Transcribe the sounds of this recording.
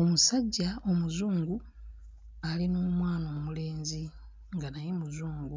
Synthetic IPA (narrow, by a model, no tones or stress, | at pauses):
omusaɟːao̞muzuːŋɡu | alinoːmwaːnoːmule̞ːnzi | ŋɡanajemuzuːŋɡu